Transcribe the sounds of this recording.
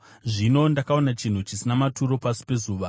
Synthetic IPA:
ʐino̞ndakao̞nat͡ʃin̤ut͡ʃisinamatuɾo̞pasi̥pe̞zuːʋa

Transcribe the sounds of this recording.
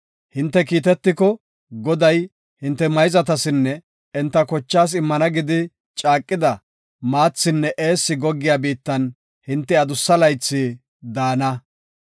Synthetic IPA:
hɪnt̪ːɛkiːt̪ɛt̪ːɪkɔ | ɡɔd̪ɐj | hɪnt̪ːɛmɐjzɐt̪ɐsɪnːɛ | ɛnt̪ːɐkɔt͡ʃːaːs̬ɪmːɐnɐɡɪd̪ɪ | t͡ʃʼaːkʼːɪd̪ɐ | maːt͡sːɪnːɛʔe̞ːsːɪɡɔɡːɪjaːbiːt̪ːɐn | hɪnt̪ːɛɐd̪ʊsːɐlɐjt͡sːɪ | d̪aːnɐ

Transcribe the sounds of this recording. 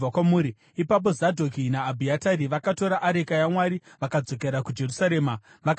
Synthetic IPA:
akwamuːɾi | ipap̬o̞zadʱokinaːbʱiataɾiʋakato̞ɾaʔaɾekajamwaɾi | ʋakad͡zo̞ke̞ɾakud͡ʒe̞rusaɾe̞ːma | ʋak

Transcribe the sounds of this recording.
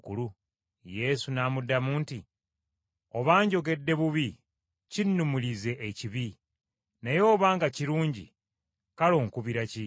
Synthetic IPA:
kulu | je̞sunaːmudːamunti | o̞βaːɲɟo̞ɡe̞dːe̞βuβi | cinːumulize̞ʔːciβi | nejo̞ːβaːŋɡaciɾuːɲɟḭ | kalo̞ːŋkuβiɾaci

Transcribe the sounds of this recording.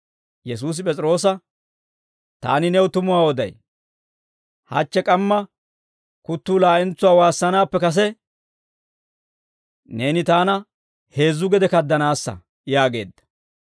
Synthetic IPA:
jɛs̬uːs̬ɪpʼɛt͡sʼɾo̞ːs̬ɐ | t̪a̰ːnɪnɛwʊt̪ʊmʊwaːwɔd̪ɐ̰j | hɐ̰t͡ʃːɛkʼɐmːɐ | kʊt̪ːuːlaːʔɛnt͡sːʊwaːwaːsːɐnaːpːɛkɐs̬ɛ | ne̞ːnɪt̪aːnɐ | he̞ːzːʊɡɛd̪ɛkɐd̪ːɐnaːsːɐ̰ | jaːɡe̞̰ːd̪ːɐ̥

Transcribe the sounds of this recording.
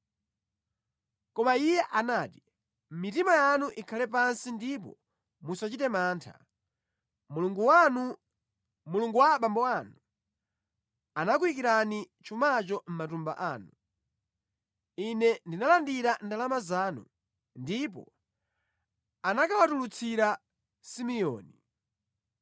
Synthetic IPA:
kɔmaijɛʔanaːti̥ | m̩mitimajanuʔikʰalɛpansindip̬ɔ̰ | musat͡ʃitɛmaːntʰa̰ | ɡ | muluŋɡuwaɓambɔanu | anak̬wik̬iɾani | t͡ʃʰumat͡ʃɔm̩matumba̰ʔaːnu | inɛndinalandiɾandalamazaːnṵ | ndipɔ̰ | anakawatulut͡sʰiɾa | simijɔ̰ːni

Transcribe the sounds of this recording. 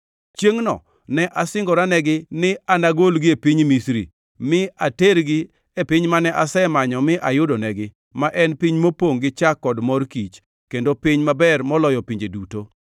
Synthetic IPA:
t͡ʃjeŋnɔ̰ | nɛʔasɪŋɡɔɾanɛɡɪnɪanaɡolɡɪepiɲmisɾḭ | mɪateɾɡɪ | epɪɲmanɛʔasɛmaɲɔmɪʔajʊdonɛɡɪ | maʔɛnpiɲmopoŋɡɪt͡ʃakːɔdmɔrkit͡ʃ | kendopɪɲmabɛrmɔlɔjɔpiɲd͡ʒeduto

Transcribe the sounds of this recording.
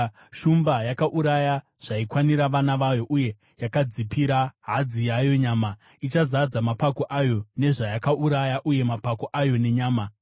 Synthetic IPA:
ʃumbajakaʔuɾaja | ʐ̥aikwaniɾaʋanaʋajo̞ʔuje̞ | jakad͡zipiɾaɦad͡zijajo̞ɲaːma | it͡ʃazad͡zamapako̞ʔajo̞ne̞ʐajakaʔuɾajaʔuje̞mapako̞ʔajo̞ne̞ɲaːma

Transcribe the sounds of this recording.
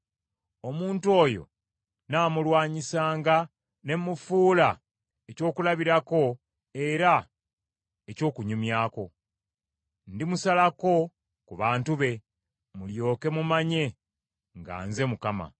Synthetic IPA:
o̞muːntuo̞ːjo̞̰ | naːmulwaːɲisaːŋɡa | ne̞mːufuːla | eco̞ːkulaβiɾako̞ | e̞ɾa | eco̞ːkuɲumjaːko̞ | ndimusalako̞ | kuβaːntuβe̞ | muljo̞ːke̞mumaɲe̞ | ŋɡa̰ːnze̞mukama̰

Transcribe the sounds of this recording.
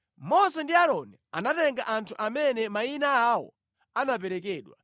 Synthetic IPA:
mɔsɛndiaɾɔnɛanatɛŋɡaʔantʰuʔamɛnɛmainaawɔ̰ | anap̬ɛɾɛkɛːɗwa̰

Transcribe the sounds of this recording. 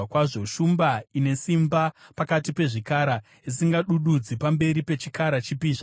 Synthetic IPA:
akwaʐo̞ʃumbaine̞simbapakatipe̞ʐikaɾa | isiŋɡaɗuɗud͡zipambe̞ɾipe̞t͡ʃikaɾat͡ʃipiːʐa

